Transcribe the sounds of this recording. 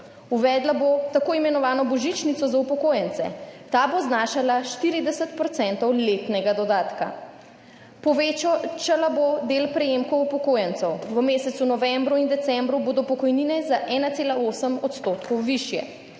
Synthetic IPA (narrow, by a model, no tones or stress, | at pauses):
uʋɛd̪labot̪akoːimɛnɔʋaːnɔbɔʒit͡ʃnit̪ɔzaupɔkoːjɛnt̪sɛ̰t̪aːboznaːʃalaʃt̪iɾid̪ɛsət̪̚pɾɔt̪sɛnt̪ɔwlet̪nɛɡad̪ɔd̪aːt̪ka̰ | pɔʋet͡ʃalabod̪elpɾɛjemkɔwupɔkoːjɛnt̪sɛwʋəmeːsɛt̪sunɔʋɛmbɾuind̪ɛt̪sɛmbɾuboːd̪ɔpɔkɔjniːnɛzaʔɛːnat̪eːlaoːsəmɔt̪st̪oːt̪kɔwʋiʃjɛ̰